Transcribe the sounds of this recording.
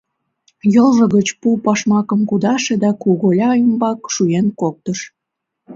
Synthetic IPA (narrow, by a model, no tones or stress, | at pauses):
jɤlʒə̆ɣət͡ɕpupɑʃmɑkəmkud̪ɑʃed̪ɑkuɣolʲɑəmbɑkʃujenkok̚t̪əʃ